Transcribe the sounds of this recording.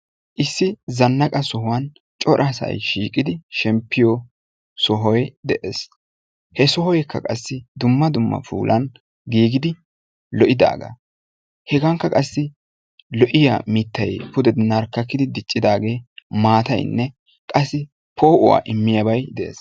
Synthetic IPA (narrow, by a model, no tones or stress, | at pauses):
ʔɪsːɪzɐnːɐkʼɐsɔhʊwɐn | t͡ʃʼɔɾʔɐsɐ̰jʃiːkʼɪd̪ɪʃɛmpːɪjɔ | sɔɦɔjd̪ɛʔeːs | hɛsɔhɔjkʰːɐ̰kʼɐsːɪd̪ʊmːɐd̪ʊmːɐ̰fṵːlʔɐn | ɡiːɡɪd̪ɪ | lɔʔɪd̪a̰ːɡɐ̰ | hɛɡɐŋkːɐkʼɐsːɪ | lɔʔɪja̰mɪt̪ːɐjpʊd̪ɛd̪ɪnɐɾkːɐkːɪd̪ɪd̪ɪt͡ʃʼːɪd̪aːɡe̞ːmaːt̪ɐ̰jnːɛ | kʼɐsːɪ | pʰoːʔʊwa̰ːʔɪmːɪjɐbɐjd̪ɛʔḛːs